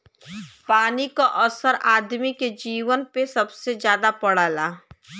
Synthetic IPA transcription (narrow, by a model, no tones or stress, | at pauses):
paːnikaʔəsəɾaːd̪miked͡ʒiːʋənpesɐbsezjaːd̪apɐɽaːlaː